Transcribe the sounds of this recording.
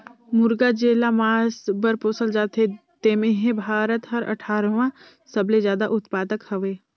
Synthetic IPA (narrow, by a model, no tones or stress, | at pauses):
mʊɾɡad͡ʒeːlamaːsbəɾpoːsəld͡ʒaːt̪ʰet̪eːmẽɦẽbʱaːɾət̪ɦɐɾʔɐ̰ʈʰaːɾʋã | sɐblezjaːd̪aʔʊt̪paːd̪əkhɐʋeː